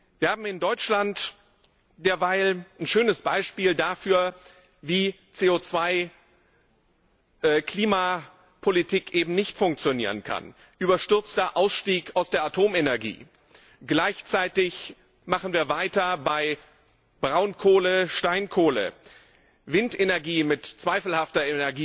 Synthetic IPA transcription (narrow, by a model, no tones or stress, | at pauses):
viːɐhaːbm̩ɪndɔʏt͡ʃlant | d̥eːɐvaɪlnʃøːnəsb̥aɪʃpiːldafyːɐ | viː | t͡seːot͡sv̥aɪ | kʰl̥iːma | pʰolitʰiːkʔeːbm̩nɪçtfʊŋk̚t͡sjonḭːʁ̞ənkʰa̰n | ʔyːbɐʃtʏɐt͡std̥aɐʔaʊsʃtiːkaʊsd̥eːɐatʰoːmenɛɐɡḭː | ɡ̥laɪçt͡saɪtɪç | maχn̩viːɐvaɪtɐbaɪ | b̥ʁaʊnkʰoːləʃtaɪnkʰoːlə̰ | vɪntʔenɛɐɡiːmɪtt͡sv̥aɪfl̩haftɐenɛɐɡiː